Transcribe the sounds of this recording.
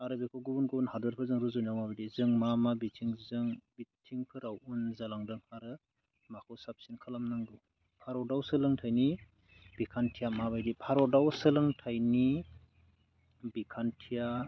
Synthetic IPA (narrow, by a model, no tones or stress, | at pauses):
aɾɯbikʰɔɡubunɡubunhadɯɾpʰɯzɯŋɾuzɯnjawmabajdizɯŋmamabitʰiŋzɯŋbitʰiŋpʰɯɾawunzalaŋdɯŋhaɾɯ | makʰɔwsap̚sinkʰalamnɯŋdu | pʰaɾɔdawsɯlɯŋtʰajni | b̥ikʰantʰijamaβajdipʰaɾɔdawsɯlɯŋtʰajni | bikʰantʰija